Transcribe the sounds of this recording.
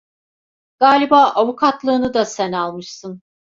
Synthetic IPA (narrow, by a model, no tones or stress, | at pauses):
ɡ̥aːlʲibaːʔavukʰat̪lˠɯːnɯd̪asænalˠmɯʃsɯn